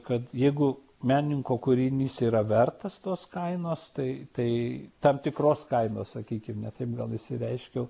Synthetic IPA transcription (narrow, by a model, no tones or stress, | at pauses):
kɐt̪jɛɪɡʊ | mʲæːnʲɪŋkoːkʊɾʲinʲiːsiːɾɐʋʲɛrt̪ɐst̪oːskɐɪnoːst̪ɐɪt̪ɐɪt̪ɐmt̪ʲɪkroːskɐɪnoːssɐkʲiːkʲɪmnʲɛt̪ɐɪp̚ɡɐlˠɪʃʲsʲɪɾʲɛɪʃʲkʲɛʊ